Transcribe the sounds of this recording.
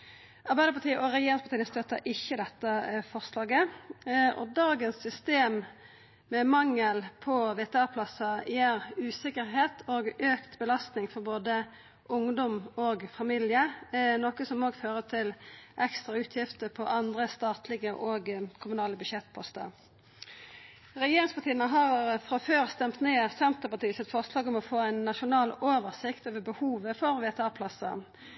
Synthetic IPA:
ʔɑʁbæɪd̪əpʰɑt̪iːəʔɔɾɛjeːɾɪŋspʰɑt̪iːnst̪øt̪əʔɪçːəd̪ɛt̪ːəfɔʁslɑːɡə | ʔɔ̰d̪ɑːɡənsːʏst̪eːm | mɛmɑŋːəlpʰɔʋeːt̪ɛɑʁpʰlɑsɑjæːɾʉːsɪkəɾɦeːt̪ʰoːɡøːkt̪bəlɑst̪nɪŋfɔʁboːd̪ə | ʔʊŋd̪ɔmoːɡfɑmɪljənoːkəsɔmoːɡføːʁət̪ʰɪlʔɛkst̪ʁɑʉːt̪ʰjɪft̪əpʰɔʔɑnd̪ʁəst̪ɑːt̪lɪɡəʔoːɡkʰʊmʉnɑːləbʉʃjɛt̪ːpʰɔst̪ə̰ | ʁɛjeːɾɪŋspɑt̪ʰiːənəɦɑʁfʁɑføːʁst̪ɛmt̪neːsɛnt̪əpɑt̪iːəsɪt̪fɔʁslɑːɡɔmɔfoːæɪnːɑʃʊnɑːloːʋəʁsɪkt̪oːʋəbəhuːʋəfɔɾʋeːt̪ɑːpʰlɑsə̰

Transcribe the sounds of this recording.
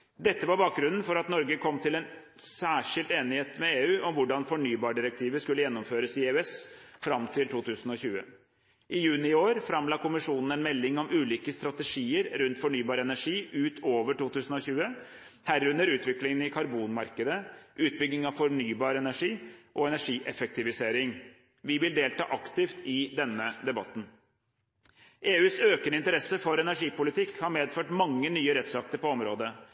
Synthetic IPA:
d̪ɛt̪ːəʋɑɾbɑːk̚ɡɾʉnn̩fɔɾɑt̪nɔɾɡəkʰɔmːt̪ʰɪlɛnsæːʂɪlt̪eːnɪheːt̪mɛeːʉːʔɔmʋʊɖɑnfɔɳyːbɑːɖɪɾɛk̚t̪ʰiːʋəskʉlːəjɛnːɔmføːɾəsɪeʉɛsfɾɑmt̪ʰɪlt̪ʰuːt̪ʰʉːsn̩ɔçʉːə̰ | ʔɪjʉːnɪɪoːɾfɾɑmlɑːkʰʊmɪʂuːnn̩ɛnmɛlːɪŋɔmʉːliːkəst̪ɾɑt̪ɛʂiːəɾɾʉnt̪fɔɳyːbɑːɾəɛnæʂiːʉːt̪oːʋəʈuːt̪ʉːsn̩ɔçʉːə | hæɾʉnːəɾʉːt̪ʋɪklɪŋənɪkʰɑɾbuːnmɑɾkəd̪əʔʉːt̪̚bʏɡnɪŋɑʋfɔɾɳyːbɑːɾəɛnæʂiːʔɔɛnæʂiːʔɛfɛk̚t̪ɪʋɪseːɾɪŋ | ʋɪʋɪld̪eːlt̪ɑ̰ːʔɑkt̪ɪft̪ɪd̪ɛnːəd̪ɛbɑt̪ːn̩ | ʔeːʉːsøːkənɪnt̪əɾɛsːəfɔɾɛnæʂiːpʊlɪt̪ʰɪkːhɑɾmeːd̪føːʈmɑŋːənyːəɾɛt̪sɑk̚t̪əɾpɔɔmɾoːd̪ə

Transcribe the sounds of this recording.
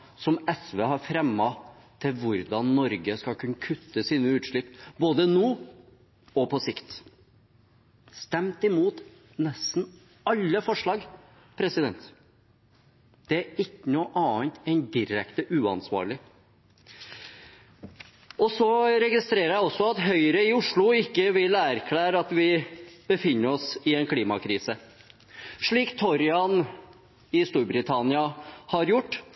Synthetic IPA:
sɔmɛsʋeːhɑɾfɾɛmːɑ | t̪ʰɪlʋʊɾd̪ɑnːɔɾɡəskɑkʰʉnːəkʰʉt̪ːəsiːnəʉːt̪ʂɭɪpːboːd̪ənoː | ɔpʰɔsɪkt̪ | st̪ɛmt̪ɪmuːt̪ | nɛst̪n̩ | ɑlːəfɔʂɭɑːɡ | pʰɾɛsɪd̪ɛnt̪ | d̪̥ɛæɾɪkːənuːʔɑːənt̪ɛɪnd̪ɪɾɛkt̪əʔʉːɑ̰nsʋɑ̰ːɾɭɪ | ʔɔsɔɾɛɡɪst̪ɾeːɾəɾjæɪɔsːɔɑt̪ɦœʏɾəɪʊʂɭʊɪkːəʋɪlæːɾkʰlæːɾəɑt̪ʋɪb̥əfɪnːəɾɔsɪɛnkʰliːmɑ̰kʰɾiːsə | ʂɭiːkt̪ʰɔɾɪɑn | ɪst̪uːɾbɾɪt̪ʰɑnɪɑhɑɾjʊʈː

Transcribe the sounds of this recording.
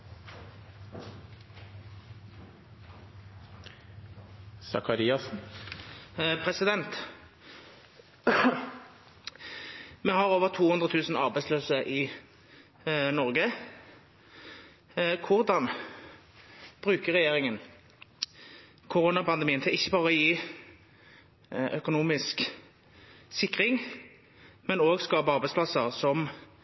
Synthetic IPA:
sɑ̰kɑɾiːɑs | pʰʁɛsɪd̪ɛnt̪ | mɛhɑʁoːʋəʁt̪ʰuːhʉnd̪ʁət̪ʰʉːsn̩ɑʁbæɪsløːsəʔɪ | nɔʁɡə | kʰʊʁd̪ɑn | b̥ʁʉːkəʁɛjeːʁɪŋən | kʰʊʁoːnɑpʰɑnd̪ɛmiːənt̪ʰɪlɪçːəbɑːʁəɔjiː | ʔœkʊnuːmɪsk | sɪkʁɪŋ | mɛnoːɡskɑːbəɑʁbæɪtspʰlɑsəʁsɔm

